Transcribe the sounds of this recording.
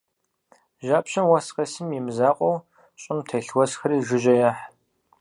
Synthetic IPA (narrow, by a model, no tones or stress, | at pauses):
ʒaːpɕɐmwɐsqɐsɨmjimzaːqʷʼɔw | ɕʼɪmtʰɐɬwɔsxɐɾiːʒɪʒɐjaːħ